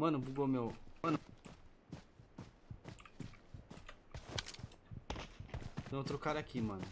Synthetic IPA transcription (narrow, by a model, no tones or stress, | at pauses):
manũbuɡomemanu | meutuɾukaɾakʰiman